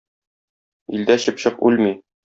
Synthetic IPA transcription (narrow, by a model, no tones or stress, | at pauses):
ild̪æɕɘpɕɤqʉlmi